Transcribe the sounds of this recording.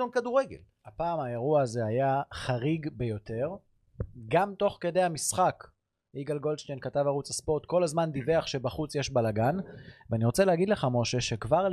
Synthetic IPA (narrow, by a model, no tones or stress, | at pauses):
onkaduʁeɡḛl | hapaːmae̞ʁuaːze̞ajaχaʁiɡbe̞jo̞te̞ʁ | ɡamt̪o̞χke̞de̞jamisχak | ʔiɡalɡo̞lʃt̪enkatavaʁut͡saspo̞ʁt̪ko̞lazmand̪ive̞aχʃe̞baχut͡sjeʃbalaɡanvaniʁo̞t͡selehaɡid̪le̞χamo̞ʃe̞ʃe̞kvaʁ